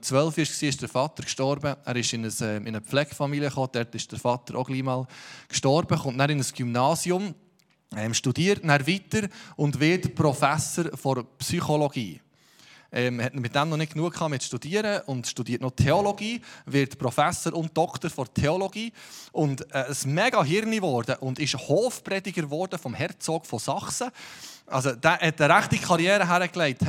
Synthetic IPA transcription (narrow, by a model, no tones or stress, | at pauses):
t͡sʋœlfiɪʃksiːɪʃd̥əɾfɑt̪əɾkʃtɔɾbəæ̰ːɾɪʃɪnəsɛɪnəflɛɡ̥fɑmiliəχoːd̥ɛɾtɪʃd̥əɾfɑt̪əɾʔoɡ̥liːmɑːlkʃtɔɾbəχʊntnæːɾɪnəsɡ̥ymnɑːsjʊm | ɛmʃtud̥iːəɾtnæːɾvitəɾʊndvɪtpɾɔfæsəɾfɔɾpsyχoloɡ̥iː | ʔɛmhɛtmɪt̚d̥æmnɔnɪt̚knuəkʰɑːmɪtʃtud̥iːəɾəʔʊndʃtudiːətnɔt̪ʰɛoloɡiːvɪɾtpɾɔfæsəɾʊnt̚d̥ɔkt̪əɾfɔɾtʰɛoloɡiːʔʊndɛsmɛɡɑɦɪɾnivɔɾd̥əʔʊndɪʃhoːfpɾɛdɪɡəɾvɔɾd̥əfɔmhɛɾt͡sɔːɡ̥fɔsɑχsəʔɑ̰ls̬od̥̪æːhɛtːəɾæχtikχɑɾjɛːɾəɦæɾəklɛɪt